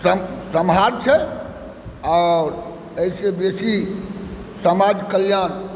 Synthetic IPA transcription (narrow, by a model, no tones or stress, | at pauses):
səsəmɦaɾt͡ʃʰɛ | ɔɾ | əisebesi | səmad͡ʒkəljan